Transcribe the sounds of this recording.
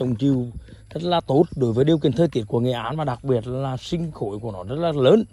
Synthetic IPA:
ə˨˩wŋ͡mt͡ɕi˧˨w | zə˦˥t̚laː˨˩t̪o˦˥t̚ɗo˨˦jvəː˨˦ɗi˧əki˨˧˩ənt̪ʰəː˧jt̪i˧˩ət̚ku˧˩əŋe˨˩ʔaː˨˦nvaː˨˩ɗa˨˩k̚ɓi˨˩ət̚llaː˨˩sï˧ŋ̟xo̰˧˨jku˧˩ənɔ˨˦zə˦˥t̚laː˨˩ləː˨˦n

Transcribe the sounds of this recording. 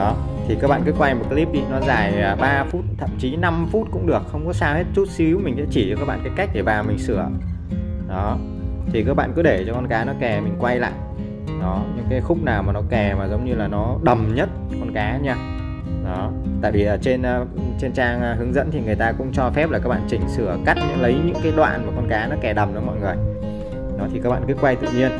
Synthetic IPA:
ɔ˨˦ | t̪ʰi˨˩kaː˦˥k̚ɓa̰ː˧˨nkɨ˨˦kwa˧jmo˨˩t̚kaː˨˦li˦˥p̚ɗi˧nɔ˨˦zaː˨˩jəː˨˩ɓaː˧fu˦˥t̚t̪ʰə̰˧˨mt͡ɕi˨˦na˧mfu˦˥t̚kʊ̰˧˥ŋ͡mɗɨ˨˩ək̚xə˧wŋ͡mkɔ˨˦saː˧whe˦˥t̚t͡ɕu˦˥t̚si˨˦wmï˨˩ŋ̟sɛ̰˧˥t͡ɕi˧˩ɔ˧kaː˦˥ɓa̰ː˧˨kːka˦˥k̚ɗe˧˩vaː˨˩wmï˨˩ŋ̟sɨ˧˩ə | ɗɔ˨˦ | t̪ʰi˨˩kaː˦˥k̚ɓa̰ː˧˨kɨ˨˦ɗe˧˩t͡ɕɔ˧kɔ˧nkaː˨˦nɔ˨˦kɛ˨˩mï˨˩ŋ̟kwa˧jla̰ː˧˨jʔ | ɗɔ˨˦ɲɨ̰˧˥ŋkaː˨˦jxʊ˦˥k͡p̚naː˨˩wmaː˨˩nɔ˨˦kɛ˨˩maː˨˩zə˨˦wŋ͡mɲɨ˧laː˨˩nɔ˨˦ɗə˨˩mɲə˦˥t̚ | kɔ˧nkaː˨˦ɲaː˧ | ɗɔ˨˦t̪a̰ː˧˨jvi˨˩ʔəː˨˩t͡ɕe˧nː˧t͡ɕe˧nt͡ɕaː˧ŋː˧ɦɨ˨˦əŋzə̰˧˥nt̪ʰi˨˩ŋɨ˨˩əjt̪aː˧kʊ̰˧˥ŋ͡mt͡ɕɔ˧fɛ˦˥p̚laː˨kaː˦˥ɓa̰ː˧˨t͡ɕï˧˩ŋ̟sɨ˧˩əka˦˥t̚ɛ̰˧˥lə˨˦jɲɨ̰˧˥ŋkaː˨˦jɗwa̰ː˧˨nmaː˨˩kɔ˧nkaː˨˦nɔ˨˦kɛ˨˩ɗə˨˩mʔɨ̰˨˦mɔ̰˧˨jŋɨ˨˩əj | ɗɔ˨˦t̪ʰi˨kaː˦˥k̚ɓa̰ː˧˨kɨ˨˦kwa˧jt̪ɨ̰˧˨ɲi˧ən

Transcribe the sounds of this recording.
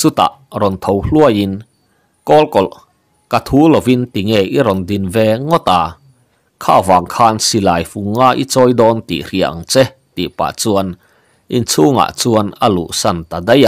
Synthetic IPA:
t͡su˦t̪a̰˨ʔɾɔ˨nt̪ʰo˧wlu˦˧ə˨ji˧n | kɔː˦˥lkɔ˨l | ka˧t̪ʰuː˨˦lo˨wi˧˥nt̪i˨ŋɛ˧˩jʔi˦ɾɔ˨ndi˧˨nvɛ˧ŋɔ˦t̪aː˨ | kʰa̰ː˧˩vaː˨˩ŋkʰaː˧nsi˧˨laː˨˩jfu˨ŋːaː˧˩ʔḭ˦t͡sɔː˧˦jdɔː˧nt̪ḭ˨ʔri˨˩ə˨ʔŋt͡sɛ˦ | t̪ḭ˨pa̰˨t͡su˧ən | ʔi˧nt͡sʰuː˧˦ŋa̰˧˨t͡su˧ə˧na˧lṵ˨ʔsa˧˩˨nt̪a˨˩de˦ja˧˨ʔ

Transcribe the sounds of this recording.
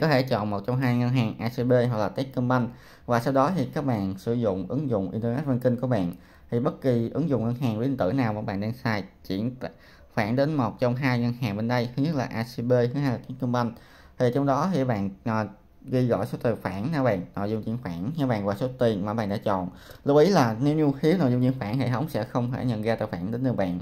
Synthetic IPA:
kɔ˨˦t̪ʰe˧˩t͡ɕɔ̰˧˨nmo˨˩t̚t͡ɕɔ˧wŋ͡mɦaː˧jŋə˧nɦaː˨˩ŋʔaː˧si˧ɓe˧ɦwa˨˩k̚laː˨˩t̪i˦˥t̚kə˧mɓa˧jŋ̟ | vaː˨˩saː˧wɗɔ˨˦t̪ʰi˨˩kaː˦˥k̚ɓa̰ː˧˨nsɨ̰˧˩zʊ̰˧˨ŋ͡mʔɨ˨˦ŋzʊ̰˧˨ŋ͡mʔi˧nt̪əː˧nɛ˦˥t̚va˧nkï˧ŋ̟ku˧˩əɓa̰ː˧˨n | t̪ʰi˨˩ɓə˦˥t̚ki˨˩ʔɨ˨˦ŋzʊ̰˧˨ŋ͡mŋə˧nɦaː˨˩ŋli˧ə˧nt̪ɨ̰˧˩˨naː˨˩wmaː˨˧˩ɓa̰ː˧˨nɗe˧nsaː˧jt͡ɕḭ˧˩˥ən˧˨ | faː˧˩nɗe˨˦nmo˨˩t̚t͡ɕɔ˧wŋ͡mɦaː˧jŋə˧nɦaː˨˩ŋɓe˧nɗə˧jt̪ʰɨ˨˦ɲ˦˥t̚laː˨˩ʔaː˧si˧ɓe˧ɨ˧˦haː˧jlaː˨˩t̪i˦˥k̚kə˧ŋ͡mɓa˧jŋ̟ | t̪ʰi˨˩t͡ɕɔ˧wŋ͡mɗɔ˨˦t̪ʰi˨˩ɓa̰ː˧˨nʔː | ɣi˧ɣɔ̰˧˨jso˨˦t̪i˨˩əfaː˧˩nna˧˩ɓa̰ː˧˨nno̰˧˨jzʊ˧ŋ͡mt͡ɕḭ˧˥nxaː˧˩nɲa˧˩ɓa̰ː˨nvwaː˧˩so˨˦t̪i˨˩ənmaː˨˩ɓa̰ː˧˨nɗaː˧˥t͡ɕɔ̰˧˨n | lɨ˦˥k̚ʔi˨˦laː˨˩ne˨˦wɲu˧xi˨˦əwno̰˨˧˨jzŋ͡mt͡ɕḭ˧˨ənxwaː˧˩nhḛ˧˨˩t̪ʰə˨˦wŋ͡msɛ̰˧˥xə˧wŋ͡mhʰeː˧˩ɲə̰˧˨nɣaː˧t̪a̰ː˧˨˩jfwaː˧˩nɗe˨˦nnɨ˨˧˩ɓa̰ː˧˨nʔ

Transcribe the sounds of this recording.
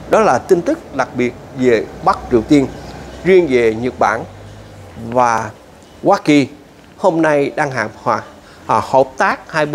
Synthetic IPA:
ɗɔ˨˦laː˨˩t̪i˧ŋ̟t̪ɨ˦˥k̚ɗa˨˩k̚ɓi˨˩ət̚ve˨˩ɓa˦˥k̚t͡ɕi˨˩əwt̪i˧ənzi˧ənve˨˩ɲə˨˩t̚ɓa̰ː˧˩n | vaː˨˩ | waː˨˦ki˨˩ | ho˧mna˧jɗaː˧ŋɦa̰ː˧˨˩mhwaː˨˩˨ | hə˨˩p̚t̪aː˦˥k̚haː˧jɓ

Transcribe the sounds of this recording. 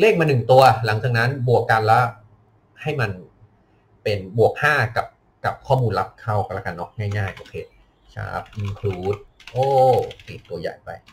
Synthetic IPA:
leː˥˩k̚maː˧nɯ˨˩ŋt̪u˧ɐla˨˩˦ŋt͡ɕaː˨˩k̚na˦˥nbu˨˩əkːa˧nlɛ˦˥ | ha˥˩jma˧n | pe˧nbu˨˩ək̚haː˥˩ka˨˩p̚ | ka˨˩p̚kʰɔː˥˩muː˧nla˦˥p̚kʰa˥˩wklaː˧˩ka˧nːɔ˦˥˩k̚ŋaː˥˩jŋaː˥˩jʔoː˧kʰeː˧ | t͡ɕʰa̰ː˦˥˩p̚ʔi˧nkʰluː˧˦t̪̚ʔoː˧˥˩pi˨˩t̪ːu˧ɐja̰ː˨˩jpa̰˧j

